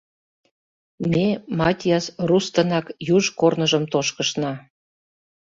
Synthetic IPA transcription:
mʲemɑtʲjɑsrust̪ə̆nɑkjuʒkornəʒəmt̪oʃkəʃnɑ

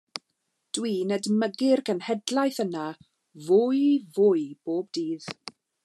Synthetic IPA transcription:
d̥wiːnɛdməɡɪrkənhɛdlˠajθəna | vʊjvʊjb̥oːb̚diːð̥

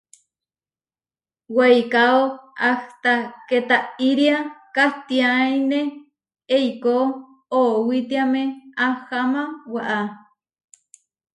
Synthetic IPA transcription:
wejkaoaht̪aket̪aiɾiakaht̪iaine | ejko | owit̪iamẽahamawaʔa

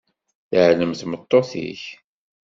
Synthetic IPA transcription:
θəʕləmθmət̪ˤːoθḭç

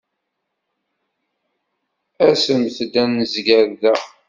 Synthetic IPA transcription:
æsəmθd̪ænːəzɡæɾðæ

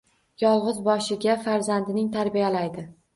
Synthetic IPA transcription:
jɒlˠʁɨzbɒʃɪɡʲafaɾzand̪ɪnɪŋt̪ʰaɾbijalajd̪ɪ

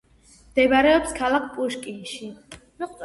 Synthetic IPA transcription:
md̪̥ɛbaɾɛɔpskʰalakʰpʼuʃkʼinʃi

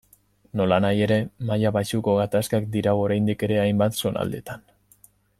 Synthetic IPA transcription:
no̞lanaje̞ɾe̞majaβaʃuko̞ɣat̪askakd̪iɾaoɾajnd̪ike̞ɾe̞ajmbat̪so̞na̰ld̪e̞̰t̪an

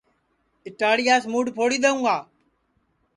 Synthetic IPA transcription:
ɪʈaːɽijaːsmuːɖpʰoːɽiːɗ̪əũːɡaː

